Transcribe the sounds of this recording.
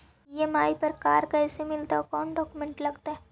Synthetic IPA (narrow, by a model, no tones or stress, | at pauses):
emaːipəɾkaːɾkɛːsemɪlt̪aɔkɔːnɖɔːkumẽɳʈlɐɡt̪aɦɛː